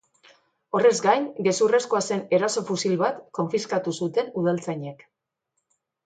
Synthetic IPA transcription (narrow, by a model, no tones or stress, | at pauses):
o̞re̞zɡajnɡe̞sure̞skoase̞ne̞ɾaso̞fusilβat̪ko̞ɱfiskat̪usut̪e̞nuð̞alt͡sajɲe̞k